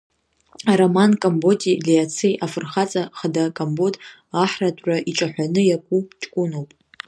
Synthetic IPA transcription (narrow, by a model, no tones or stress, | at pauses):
aɾomankʼambo̞tʼilijat͡sʰijʔafɨrχat͡sʼaχadakʼambod | aħratʼʕʷaʔiʈ͡ʂʼaħʷᶣanɨjakʷʼut͡ʃʼkʷʼʊnowpʼ